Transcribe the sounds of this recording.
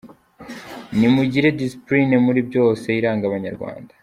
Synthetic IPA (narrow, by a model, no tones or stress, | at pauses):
nimuɟiɾe̞disi̥plinemuɾibɟo̞ːse̞iɾaːŋɡaβaɲaɾɡwa̰ːnda